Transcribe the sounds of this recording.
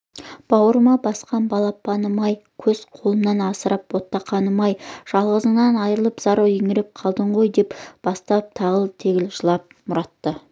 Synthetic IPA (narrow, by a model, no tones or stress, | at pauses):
b̥ɑwəɾəmɑbɑsqɑnbɑlˠɑpɑnəmɑjkʲʰɵz̥qʰolˠəmnɑnɑsəɾʔɑpwot̪ːɑqʰɑnəmɑjʒ̥ɑlˠʁəzəɴnɑnɑjɾəlˠəpz̥ɑɾəweŋɪɾɪp̚qʰɑlˠd̪əɴʁo̞jd̪e̞pb̥ɑst̪ɑp̚t̪ʰɑʁəlˠt̪ʰeɡʲɪlʒəlˠɑp̚mʊɾɑt̪ːə